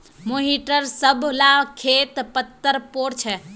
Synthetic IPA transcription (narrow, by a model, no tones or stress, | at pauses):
moɦiʈəɾsəbʱlakʰet̪pət̪ːəɾpoːɾt͡ʃʰɛ